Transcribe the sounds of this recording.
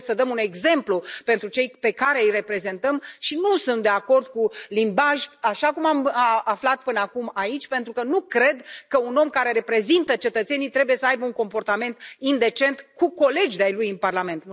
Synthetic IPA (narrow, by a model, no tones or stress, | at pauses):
səd̪əmune̞ɡze̞mplupe̞nt̪ɾut͡ʃe̞jpe̞kaɾe̞ire̞pɾe̞ze̞nt̪əmʃinusunt̪d̪e̞ako̞rd̪kulimbaʒʲaʃakumamaflat̪̚pɨnəakumait͡ʃʲpent̪ɾukənukɾe̞d̪kəuno̞mkaɾe̞ɾe̞pɾe̞zint̪ət͡ʃe̞t̪ət̪se̞nijt̪ɾe̞buje̞səajbəuŋko̞mpo̞rt̪ame̞nt̪ind̪e̞t͡ʃe̞nt̪kuko̞le̞d͡ʒd̪ajlujɨnparlame̞nt̪